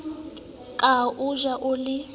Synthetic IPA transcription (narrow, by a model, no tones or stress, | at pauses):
kʼaʔuʒaʔʊlɪ